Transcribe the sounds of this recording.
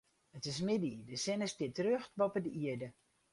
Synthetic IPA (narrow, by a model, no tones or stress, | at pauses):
ətɪs̬mɪdidəsɪnəstɪətərøxtbɔpədəiədə